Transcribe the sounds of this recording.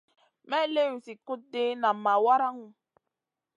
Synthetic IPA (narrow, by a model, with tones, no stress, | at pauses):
mɛ˦le˦wu˨si˨kʊ˦de˦na˨m̩˨ma˨wa˦ɾa˦ŋu˦